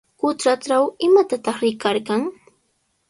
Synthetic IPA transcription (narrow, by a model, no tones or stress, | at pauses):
kʊt̪ɾaʈ͡ʂawɪmat̪at̪ɑχɾɪkaɾkaŋ